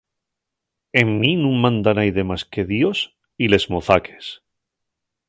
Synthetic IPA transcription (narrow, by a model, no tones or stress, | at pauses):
e̞mːinũŋmãnd̪anajðe̞maske̞ðjo̞s | ile̞zmoθakʰe̥s